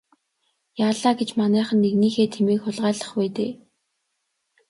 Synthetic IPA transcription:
jaːɮaːɡet͡ɕmanæːχə̆nːeɣniːxeːt̪ʰemeːkxʊɮʁaːɮə̆χpæːt̪eː

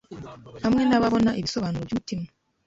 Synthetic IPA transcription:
hamŋenaβaβonaʔiβisoβanuovjutime

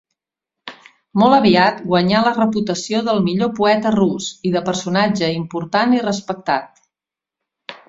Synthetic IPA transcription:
mɔlˠəβiat̪ɡwəɲalərəput̪əsioðəlˠmiʎopuɛt̪ərusiðəpəɾsunad͡ʒəimpuɾt̪anirəspək̚t̪at̪̚

